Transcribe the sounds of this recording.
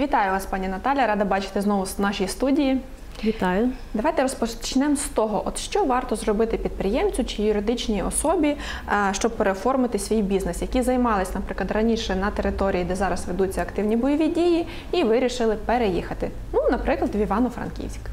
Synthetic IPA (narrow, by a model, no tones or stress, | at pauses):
ʋʲit̪ɑjʊʋɑspɑnʲinɐt̪ɑlʲjɐɾɑd̪ɐbɑt͡ʃɪ̥t̪ɪznɔʋʊsnɑʃʲijist̪udʲiji | ʋʲit̪ɑjʊd̪ɐʋɑjt̪ɛɾɔspɔt͡ʃnɛmst̪ɔɦɔʔɔd̪ʃt͡ʃɔʋɑrt̪ɔzrɔbɪt̪ɪpʲid̪̚pɾɪjɛmt͡sʲʊt͡ʃɪjʊɾɪd̪ɪt͡ʃnʲiɔsɔbʲi | ʃt͡ʃɔb̚peɾefɔrmɪt̪ɪsʲʋʲijbʲiznesjɐkʲizɐjmɑlˠɪsʲnɐpɾɪklˠɐd̪rɐnʲiʃɛnɐt̪eɾɪt̪ɔɾʲijid̪ɛzɑɾɐsʋed̪ut͡sʲːɐɐkt̪ɪwnʲibɔjɔʋʲidʲiji | iʋɪɾʲiʃɪlˠɪpeɾejixɐt̪ɪ | nunɐpɾɪklˠɐd̪ʋʲiʋɑnʊfɾɐ̰nkʲḭwsʲk